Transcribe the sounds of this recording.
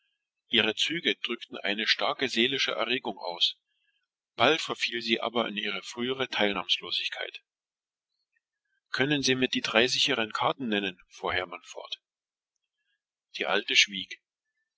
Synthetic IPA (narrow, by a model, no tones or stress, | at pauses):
ʔiːʁət͡syːɡəd̥ʁʏktn̩ʔa̰ɪnəʃtaɐkəzeːlɪʃəʔɛ̰ɐʁeːɡʊŋʔa̰ʊs | b̥altfɛɐfiːlziːʔa̰ːbɐa̰nʔiːʁ̞əfʁ̥yːəʁətʰaɪlna̰ːmsloːzɪçkʰa̰ɪt | kʰœnənziːmɪtd̥iːdʁaɪzɪçəʁənkʰaɐtn̩nɛnənfuːɐɦɛɐmanfɔ̰ɐt | d̥iːʔa̰ltəʃv̥iːk